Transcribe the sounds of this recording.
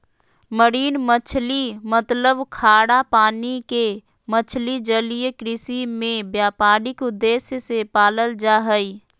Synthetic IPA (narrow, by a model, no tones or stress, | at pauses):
məɾiːnmət͡ʃʰlimət̪ləbkʰaːɽapaːnike | mət͡ʃʰlid͡ʒəlijekɾɪsimẽbjaːpaːɾɪkʊd̪ːeːsjəsepaːləld͡ʒaːɦəi